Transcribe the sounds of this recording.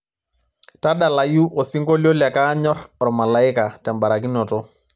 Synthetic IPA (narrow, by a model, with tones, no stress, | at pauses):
ta˦ɗa˨la˨ju˦ʔɔ˨si˦ŋɡo˦lo˦la˨ka˦ɲɔ˦rɾɔ˨ma˨la˨ɪ˦ka˨tɛ˨mba˨ɾa˨k̬i˦nɔ˨tɔ˦